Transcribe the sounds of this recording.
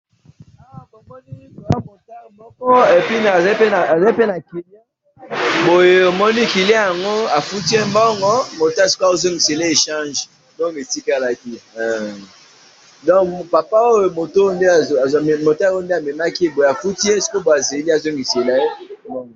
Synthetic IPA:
o˨mɔ˦ni˦ | o˨a˦mo˨ta˦˨mɔ˦kɔ˦e˨pi˦na˨za˨˦i˦pe˦na˨a˨za˦i˦pe˦na˨ki˨le˦ | bo˨je˨o˨mɔ˦ni˦ki˨le˦ja˨ŋɡo˦a˨fu˦ti˦e˦mbɔ˦ŋɡɔ˦mo˨ta˦˨si̥˦ka˦wo˦zo˦ŋɡi˨se˨le˦e˨ʃã˦ʒ | mbɔ˦ŋɡe˨ti˦ka˦la˨ki˦˨ | dɔ̃˦ŋkpa˨pa˦o˦jo˦mo˨to˦o˦nde˦a˨a˨mo˨ta˦o˦n˦de˦a˨me˨ma˦ki˦bo˨je˨a˨fu˦ti˦e˦˨si̥˦ko˦bo˨a˨ze˨li˦a˨zo˦ŋɡi˨se˨la˨e˦mbɔ˦ŋɡɔ˨

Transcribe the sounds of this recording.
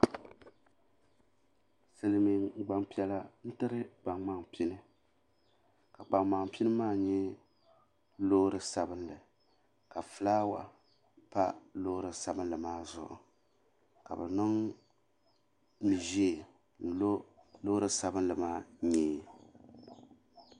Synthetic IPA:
sɨ˨lɨ˨mi˨ɡ͡ba˨ŋpi˦ɛ˦la˦n̩˦tɨ˦ɾɨ˦ɡ͡ba˨ŋma˦ŋpi˦nɨ˦ | ka˨k͡pa˨ŋma˨ŋpi˦nɨ˦maː˦˨ɲɛ˦ | loː˦ɾɨ˦sa˨bɨ˦nlɨ˨ | ka˨fɨ˨laː˦wa̰˨ | pa̰˦lo˦ɾɨ˨sa˦bɨ˦nlɨ˨maː˦zʊ̰˨ʔʊ̰˨ | ka̰˨bɨ˨nɨ˦ŋ | mi˨ʒeː˦˨ | n̩˨lo˦lo˦ɾɨ˦sa˦bɨ˦nlɨ˨maː˦ɲɛː˦

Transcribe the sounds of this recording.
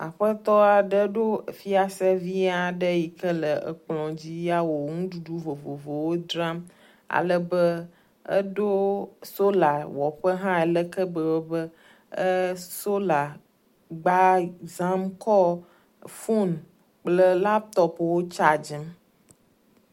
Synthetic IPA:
a̰˨ɸə˦t̪ɔ˦a˨ɖə˦ɖo˦˨fi˦a˨sɛ˦vi˦a˨ɖə˦ji˨kə˦lə˨ʔə˨k͡plɔ̃˨d͡ʑi˦ja˦wo˨ŋũ˦ɖu˨ɖu˦vo˨vo˨vo˨wo˦d̪ɾa˦m | a̰˨lə˦bə˦ | ə̰˦ɖo˦so˦la˨wɔ˨ɸə˦ɦã˦ɛ˨lə˦kə˦bə˨wo˦bə˦ | ə˦so˦la˨ | ɡ͡ba˦za˦mkɔ˦ | fu˦n | k͡plə˦la˦p̚t̪ɔ˦pwo˦t͡ʃa˦d͡ʒə˦m

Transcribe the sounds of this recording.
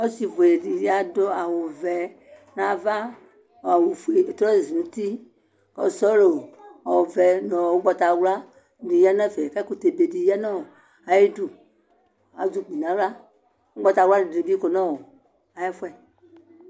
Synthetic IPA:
ɔ˦si˨vo˨e˨di˨ɾi˦a˨do˦a˨wo˨vɛ˨ | nã˨va˦˨ | a˨wu˨fu˨e˨e˨tɾɔ˦i˨zi˨mũ˨ti˦ | kɔ̰˨sɔ˦lo˨a˨wo˨vɛ˨nɔ̃˨o˦ɡ͡bɔ˧ta˨˦wla˦˨ | di˨ja˦na˦˨vɛ˨ka˦ku˨te˨be˨di˨ja˦na˦o˨ | a˨je˦du˨ | a˨d͡zu˦˨k͡pi˨nã˨˦wla˦ | o˦ɡ͡bɔ˧ta˧˨wa˦ni˨i˨bi˦ko˨nã˦wo˨ | a˨ja˦fwɛ˨

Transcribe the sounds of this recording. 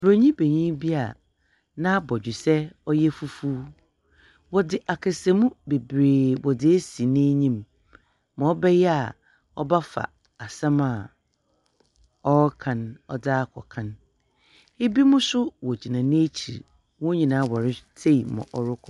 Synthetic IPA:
bɾo˨ɲĩ˦be˨ɲĩ˦bi˦a˨ | nã˦bɔ˨d͡ʑᶣɪ˨sɛ˦ɔ˦jɛ˦fu˦fu˦ | wɔ˨dɪ˨ʔa˨kʰɪ˨se˨mũ˦be˨bɾeː˨bɔ˨dɪ˨e˦si˨nɪ̃˦ɲĩ˦mː | ã˨ɔ˦bɛ˦jɛ˦a˨ | ɔ˦ba˦fa̰˨ | a˨sã˦ma˨ | ɔ˦kʰã˨nɔ̰˦daː˦˨kʰɔ̰˨kʰã˦n | e˦bi˦mʊ̃˦sʊ˦wɔ˨d͡ʑi˨nã˨nɪ̃˦e˦t͡ɕʰḭ˨ɾ | wɔ̃˦ɲĩ˨nã˦wɔ˨ɾɪ˦tʰe˦˨mɔ̰̃˨ʔɔ˦ɾʊ˦kʰɔ˦

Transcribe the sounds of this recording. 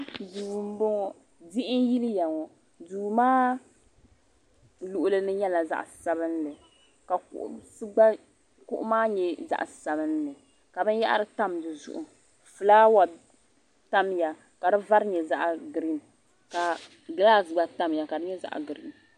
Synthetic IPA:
duː˨m̩˦bɔ˦ŋɔ˨ | dɪ˦ʔɪ˦nji˦lɨ˦ja˨ŋɔ˨ | duː˨maː˦ | lu˨ʔʊ˨lɨ˦nɨ˦ɲɛ˦la˨za̰˦ʔsa˦bɨ˦n˦lɨ˨ | ka˨kʔsɨ˦ɡ͡ba˦ | kʊ̰˦ʔʊ̰˦maː˦ɲɛ˨za̰˦ʔsa˨bɨ˦n˦lɨ˨ | ka˨bɨ˦n˦ja˦ʔa̰˦ɾɨ˦ta˦mdɨ˨zʊ̰˦ʔʊ˨ | fɨ˨laː˦wa˨ | ta˦mja˨ | ka˨dɨ˦va˦ɾɲɛ˨za˦ʔɡɾi˦n | ka˨ | ɡla˦sɡ͡ba˨ta˦mja˨ka˨dɨ˦ɲɛ˦za̰˨ʔɡɨ˨ɾḭ˦n

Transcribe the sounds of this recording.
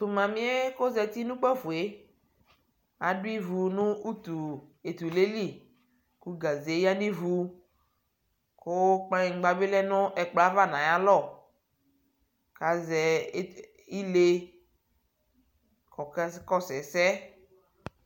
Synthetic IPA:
tu˨mã˨mĩ˦e˦ko˦zɛ˨t̪i˦nũ˦k͡pɛ˦fu˨e˦ | a˨du˦i˦vu˨nũ˦u˦t̪u˨e˨t̪u˨le˦li˦ | ku˦ɡa˨ze˨˦ja˦nĩ˦vu˦ | ko˦k͡pa˦i˨ŋ̩˨ɡ͡ba˨be˦lɛ˦nɔ̃˦ʔɛ˨k͡pla˦va˦nã˨ja˦lɔ˦˨ | ka˨zɛ˨˦ | i˦le˦ | kɔ˨kɛ˦skɔ˦sɛ˨sɛ˦

